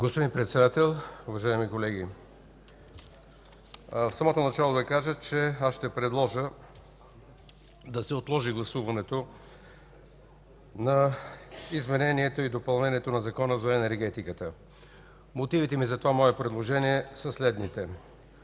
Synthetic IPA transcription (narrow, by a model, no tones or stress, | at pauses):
ɡospod̪ĩnpɾɛt̪sɛd̪at̪ɛlˠʊvɐʒaimikolɛɡ̟i | fsɐmɔt̪onɐt͡ʃalˠod̪ɐkaʒət͡ʃɛasʃt̪ɛpɾɛd̪lˠɔʒə | d̪ɐsɛot̪lˠɔʒiɡlˠɐsuvɐnɛt̪o | nɐ | izmɛnɛniɛt̪oid̪opɐlˠnɛniɛt̪onɐzɐkɔnəzɐɛnɛɾɡɛt̪ikət̪ə | mot̪ivit̪ɛmizɐt̪ovamɔɛpɾɛd̪lˠoʒɛniɛsɐslɛd̪nit̪ɛ